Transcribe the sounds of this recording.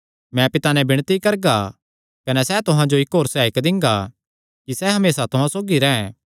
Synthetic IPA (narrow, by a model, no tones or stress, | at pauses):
mɛ̃pɪt̪anɛ̃bɪɽ̃t̪ikɐɾɡa | kɐnɛsɛt̪ʊɦãd͡ʒoɪkɦoːɾsɛːɪkd̪ɪ̃ŋɡa | kisɛɦɐmeːsat̪ʊɦãsoːɡiɾɛ̃ːɛ̃